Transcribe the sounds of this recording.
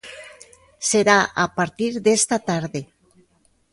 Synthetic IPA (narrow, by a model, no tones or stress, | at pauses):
seɾaapaɾt̪iɾðest̪at̪aɾðe